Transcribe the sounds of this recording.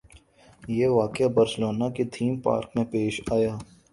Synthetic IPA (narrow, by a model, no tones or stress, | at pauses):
jeːʋaːkɪjabɐɾsloːnakit̪ʰiːmpa̰ːɾkmẽpeːʃaːjaː